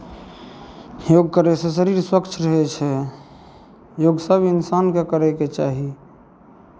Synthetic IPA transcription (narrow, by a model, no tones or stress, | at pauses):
joɡ̚kəɾesẽsəɾiɾswəkt͡ʃʰɾəɦɛt͡ʃʰɛ | joɡsəbinsankekəɾɛket͡ʃaɦi